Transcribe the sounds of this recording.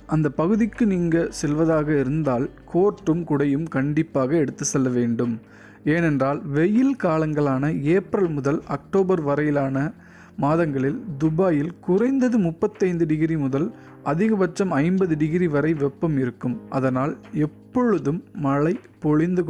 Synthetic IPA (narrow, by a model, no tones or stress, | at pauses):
ʔɐnd̪ɐpɐɣɯðɪkːɯniːŋɡɐsɛlʋɐðaːɣɐɪɾɯnd̪aːlkʰoːʈrɯmkʊɽɐjɯmkɐɳɖɪpːaːɣɐɛɽɯt̪ːɯsɛlːɐʋeːɳɖɯm | eːnɛndraːlʋɛjɪlkaːlɐŋɡɐɭaːnɐeːpɾɐlmʊðɐlɐk̚ʈoːbɐɾʋɐɾɐjɪlaːnɐ | maːðɐŋɡɐɭɪld̪ʊbaːjɪlkʊrɐɪnd̪ɐðɯmʊpːɐt̪ːɐɪnd̪ɯɖɪɣɪɾimʊðɐl | ʔɐðɪɣɐʋɐt͡ʃːɐmɐɪmbɐðɯɖɪɣɪɾiʋɐɾɐɪʋɛpːɐmɪɾɯkːɯmʔɐ̰ðɐnaːlɛpːɔɻɯðɯmːɐɭɐɪpɔɻɪnd̪ɯk